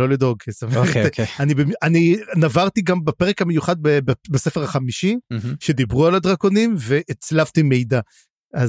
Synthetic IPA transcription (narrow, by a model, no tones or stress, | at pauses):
o̞lid̪o̞ɡesameanibemaninavaʁt̪iɡambapeʁekamejuχad̪̚bebbase̞feʁaχamiʃiʃe̞d̪ibʁualad̪ʁako̞nimve̞ʔet͡slavt̪ime̞jd̪a | ʔaz